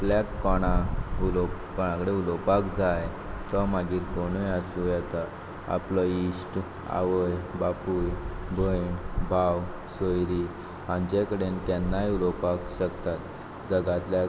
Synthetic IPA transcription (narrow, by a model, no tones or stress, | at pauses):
plakːɔɽ̃aulo | kɔɽ̃ãkəɽeulɔpakd͡zaj | t̪ɔmaɡʱiːɾkoɽ̃ujasũjɛt̪a | a̰plɔisʈ | a̰ʋəjbapujbʱəjbʱaw | səjɾi | hãɲt͡ɕekəɽent̪ɛnːajulopakɕəkt̪at̪ | d͡zəɡat̪lja